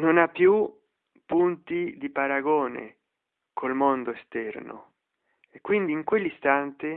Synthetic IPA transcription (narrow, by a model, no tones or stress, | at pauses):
nonapːju | punt̪id̪ipaɾaɡoːnḛ | kʰolmond̪oest̪ɛrno̰ | ekːwind̪iːŋkwelːist̪ant̪e